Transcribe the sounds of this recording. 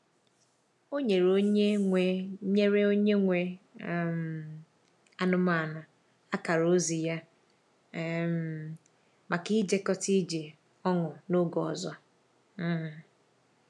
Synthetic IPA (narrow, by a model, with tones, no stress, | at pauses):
o˦ɲe˨ɾo˦ɲe˦ŋʷe˨ɲe˦ɾe˦o˦ɲe˦ŋʷe˨m̩˨ | a˦nʊ˦ma˦˨na˨ | a˦ka˨ɾo˦zi˨ja˦ | m˨ | ma˨ki˦d͡ʒe˦kɔ˦ti˦d͡ʒe˨ | ɔ˦ŋʊ˨no˦ɡɔ˨ɔ˨zɔ˦˨